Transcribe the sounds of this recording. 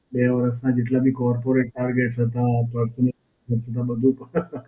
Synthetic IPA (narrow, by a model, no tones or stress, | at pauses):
beʋəɾəsnad͡ʒeʈlabʱikɔɾpoɾeʈːaɾɡeʈɦət̪apəɾsənə | əɾsʰət̪̬abəd̪ʱũpə